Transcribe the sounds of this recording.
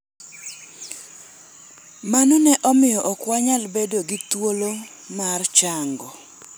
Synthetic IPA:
manɔnɛʔɔmɪjɔʔɔkwaɲalbedoɡit̪wolo | mart͡ʃaŋɡɔ

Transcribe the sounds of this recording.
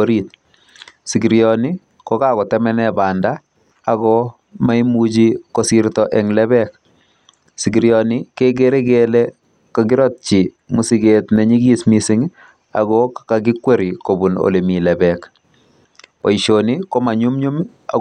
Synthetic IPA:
oɾit̚ | siɡiɾjɔni | kɔkakɔtɛmɛnɛbandaː | ɣɔ | majmud͡ʒikosiɾtɔʔɛŋlɛbɛk̚ | siɡiɾjɔnikeɡeɾɛɡelɛ | kaɡɪɾɔt̚t͡ʃi | musiɡetnɛɲiɡismisiŋ | a̰ɣɔkkaɡɪkweɾikobuno̰lemilɛbɛk | pɔiʃonikomaɲumɲum | a̰

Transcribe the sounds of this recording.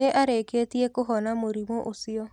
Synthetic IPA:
eʔaɾeket̪iekoɦɔnamoɾimoʔosiɔ

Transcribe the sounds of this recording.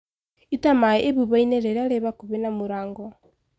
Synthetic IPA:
itamaeʔeβuβaineɾeɾaɾeβakuβenamuɾaːŋɡɔ

